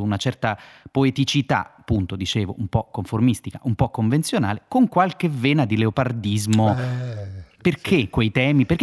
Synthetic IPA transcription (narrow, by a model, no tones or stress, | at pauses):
unat͡ʃɛrt̪apoet̪it͡ʃit̪a̰apːunt̪od̪it͡ʃeːvoʔumpɔkoɱformist̪ikaʔumpɔkːoɱvent̪sjonaːlekoŋkwalk̟eveːnad̪ileopard̪izmo | perkʰekːwejt̪ɛːmiperkː